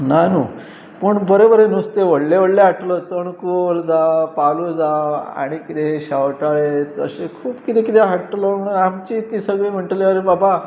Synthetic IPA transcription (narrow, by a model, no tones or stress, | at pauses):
nanu | pəɳbəɾebəɾenust̪eʋəɽleʋəɽleaʈʰlət͡səɳkold͡zapalud͡zaa̰ɽ̃ikit̪eɕawʈaɭet̪ə̰ɕekʰuːpkit̪ekit̪eɦaʈləməɽamt͡ɕit̪isəɡɭem̤əɳʈleaɾebaba